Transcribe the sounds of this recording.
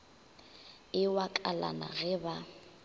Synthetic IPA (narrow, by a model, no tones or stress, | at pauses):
ɪwakʼala̰na̰ɣɛba